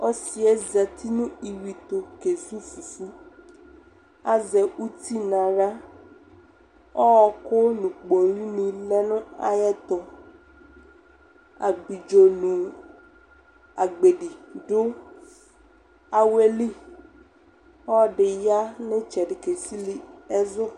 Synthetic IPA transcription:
ɔ˦si˨ɛ˦zɛ˨t̪ʰi˦nũ˦i˨wi˨t̪o˨ke˨zu˦fu˨fu˦ | a˦zɛ˨u˦t̪i˦nã˨ɖa˦ | ɔ˦wɔ˨ko˦nũ˨k͡po˨ɾi˦mĩ˨lɛ˦nũ˦a˨jɛ˦t̪ɔ˨ | a˨ɡ͡bi˨d͡ʒo˨nũ˨ | a˨ɡ͡be˨ɖi˨ɖʊ˦ | a˨we˦li˦ | ɔ˦ɖɪ˨ja˦nɪ̃˦t͡ʃɛ˨ɖɪ˨ke˨si˦li˨ɛ˦zʊ˦

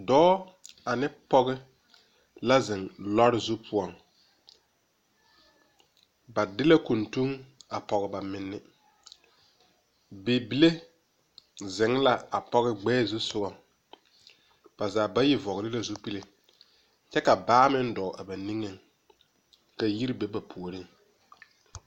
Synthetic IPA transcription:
dɔː˦a˨nɪ˦pɔ˦ɣɪ˦ | la˦zɪ˨ŋlɔ˦ɾɪ˦zu˦pʰʊ˦ɔ˨ŋ | ba˨dɪ˦la˦ku˨ntu˦ŋa˨pɔ˨ɣɪ˨ba˨mɪ˨nːɪ˦ | beː˨bi˨le˦ | zɪ˨ŋ˦la˦a˨pɔ˦ɣɪ˦ɡ͡bɛː˦zu˦sʊ˦ɣɔ˨ŋ | b̥a˨zaː˨ba˦jɪ˦vɔ˨ɣɪ˨ɾɪ˦la˨zʊ˦pi˦le˨ | t͡ʃɛ˦ka˨baː˦mɪ˦n˦dɔ˨ʔa˨ba˨ni˦ŋe˨ŋ | ka˨ji˦ɾi˦be˦ba˨pʰu˨o˨ɾɪ˦ŋ

